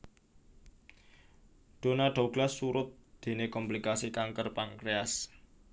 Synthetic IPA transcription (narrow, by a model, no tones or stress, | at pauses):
ɖ̪̥onaɖ̥a̤uɡ̥lasːuɾʊt̪̚d̪̥e̤nekɔmplikasikaŋkərpaŋkɾeas